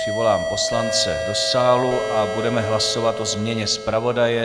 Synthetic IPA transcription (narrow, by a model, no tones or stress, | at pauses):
r̥ɪvo̞laːmpo̞slant͡sɛdo̞saːluʔʔabudɛmɛɦlaso̞vat̪ʔo̞zmɲɛɲɛspɾavo̞dajɛ